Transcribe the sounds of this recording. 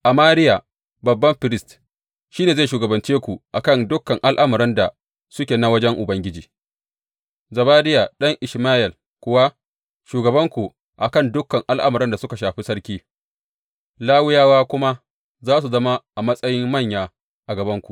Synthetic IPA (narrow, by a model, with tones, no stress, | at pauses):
ʔa˨maː˦ɾɪ˦ja˨ | bɐ˨bːɐ˦mɸɪ˨ɾɪ˦st | ʃiː˦neː˨zaː˦˨ʃuː˨ɡɐ˨bɐ˨nt͡ʃeː˦kʷu˨ʔa˨kɐ˦˨ndʊ˦kːɐ˨ŋʔa˦lʔa˦mɐ˨ɾɛ˦nda˨ | sʊ˦kʲeː˨na˦wɐ˦d͡ʒɛ˦ŋʔʊ˨bɐ˦ŋɡʲɪ˦d͡ʒiː˨ | zɐ˨baː˦dɪ˦ja˨ɗɐ˦ŋʔɪ˨ʃmaː˦ʔɛ˨l | kʷʊ˦wa˦ | ʃuː˨ɡɐ˨bɐ˦ŋkʷu˨ | ʔa˨kɐ˦˨ndʊ˦kːɐ˨ŋʔa˦lʔa̰˦mɐ˨ɾɛ˦nda˨sʊ˦ka˨ʃaː˨ɸi˦sɐ˦ɽkʲiː˦ | laː˦wɪ˦jaː˦waː˦kʷʊ˦ma˦ | zaː˦s̬u˨zɐ˦ma˦ʔa˨mɐ˦sʼɐ˦jɪ˦mːɐ˦˨ɲjaː˨ | ʔa˨ɡɐ˨bɐ˦ŋkʷu˨